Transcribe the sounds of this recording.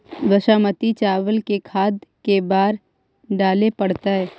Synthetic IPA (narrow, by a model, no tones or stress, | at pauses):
ʋəʃaːmət̪it͡ʃaːʋəlkekʰaːd̪kebaːɾ | ɖaːlepəɽt̪aɦɛː